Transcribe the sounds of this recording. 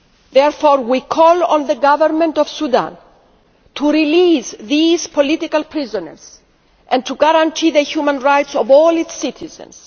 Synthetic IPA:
ðɛɹfoɾwikʰɔlɔ̃nðəɡavəɾmẽntɔv̥sud̪ã̰n | t̪ʰuɾilisðiz̥pʰolit̪ikalpʰɾizɔnə̰ɹz̥ | ʔɛ̃nt̪ʰuɡaɾãntʰiðəçumə̃nɹajtsɔvɔlitsitʰizə̰̃ns

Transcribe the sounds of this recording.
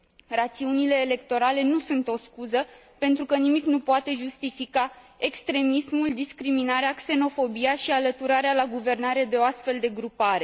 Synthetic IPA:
rat̪siunile̞ːle̞kt̪o̞ɾale̞nusunt̪o̞skuzə | pe̞nt̪ɾukənimiknupoat̪e̞ʒust̪ifika | e̞kst̪ɾe̞mismuld̪iskɾiminaɾeakse̞no̞fo̞biaʃialət̪uɾaɾealaɡuve̞rnaɾe̞d̪e̞o̞ast̪fe̞ld̪e̞ɡɾupaɾe̞

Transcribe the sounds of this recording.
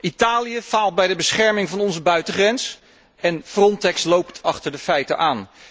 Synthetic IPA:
ʔitaːlijəv̥aːlˠt̚bɛjdəbəsχɛɹmɪŋvɑnɔnzəbœɥtəχrɛns | ɛnfrɔntɛkslowptʰɑχtəɹdəfɛjtənʔaːn

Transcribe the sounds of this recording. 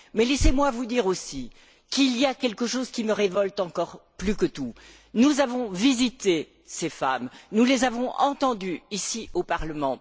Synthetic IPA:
mɛlɛsemwavud̪iʁosi | kilijakʲɛlkəʃozkʲiməʁevɔlt̪ɑ̃kɔʁplykət̪u | nuzavɔ̃vizit̪e | sefamnulezavɔ̃ɑ̰̃t̪ɑ̃d̪yisiopaʁləmɑ̃

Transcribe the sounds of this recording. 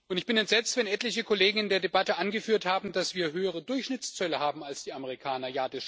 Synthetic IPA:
ʔʊntɪçb̥ɪnɛntz̥ɛt͡stv̥ɛnʔɛtlɪçəkʰoleːɡŋ̩ɪndeːɐdebatəʔanɡəfyːɐthaːbm̩dasv̥iːɐɦøːəʁ̞ədʊɐçʃnɪt͡st͡sœləhaːbm̩alsd̥iːaməʁ̞ikʰaːnɐjaːdɛs

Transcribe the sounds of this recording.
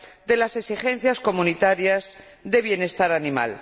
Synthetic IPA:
d̪e̞lase̞ksixẽ̞n̟θjasko̞munit̪aɾjaz | ðe̞β̞je̞ne̞st̪aɾanima̰l

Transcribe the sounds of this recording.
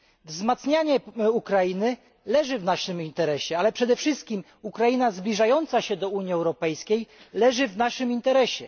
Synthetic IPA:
vzmat̪sɲaɲɛukɾajinɘ | lɛʐɘvnaʂɘmint̪ɛɾɛɕɛalɛpʂɛd̪ɛfʂɘst̪̚kʲim | ukɾajinazblʲiʐajɔnt̪saɕɛd̪ɔuɲiɛwɾɔpɛjskʲej | lɛʐɘvnaʂɘmint̪ɛɾɛɕɛ̰

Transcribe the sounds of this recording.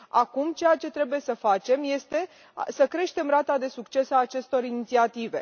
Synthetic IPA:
akumt͡ʃe̞jat͡ʃe̞t̪ɾe̞buje̞səfat͡ʃe̞mje̞st̪e̞ | səkɾe̞ʃt̪e̞mrat̪ad̪e̞sukt͡ʃe̞saːt͡ʃe̞st̪o̞ɾinit̪siat̪ive̞̰

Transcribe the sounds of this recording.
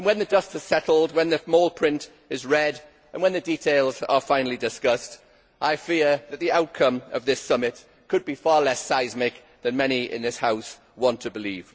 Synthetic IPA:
nwə̃nðədʌstɪz̥sɛtˡl̩ˠd̚wə̃nðəmoʊlˠpʰɹ̥ɪ̃nt | ɪzɹɛd | ə̃nwə̃nðəditʰeɪlˠzə̰fãɪ̃nl̩ˠidɪskʌst | ʔaɪfiəðət̪̚ðiaʊt̚kʰə̃məvðɪsʌmɪt | kʰəd̚bifɑːlɛsaɪzmɪk̚ | ðə̃nmɛñiɪ̰̃nðɪshaʊs | wɒ̃ntʰəbɪliːv̥

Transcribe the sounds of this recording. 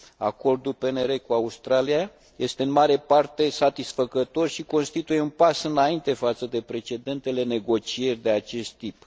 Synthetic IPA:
a̰ko̞rd̪ulpe̞ne̞ɾe̞kuaust̪ɾalija | je̞st̪eɨnmaɾe̞part̪e̞sat̪isfəkət̪o̞rʃiko̞nst̪it̪ujeunpasɨnaint̪e̞fat̪səd̪e̞pɾe̞t͡ʃe̞d̪e̞nt̪e̞le̞ne̞ɡo̞t͡ʃie̞rʲd̪e̞at͡ʃe̞st̪ːip

